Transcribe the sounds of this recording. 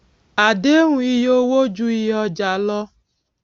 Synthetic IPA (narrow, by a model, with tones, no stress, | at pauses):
a˨de˦ŋʷũ˨˦i˦jo˦wo˦d͡ʒu˦i˦jɔ˦d͡ʒa˨lɔ˦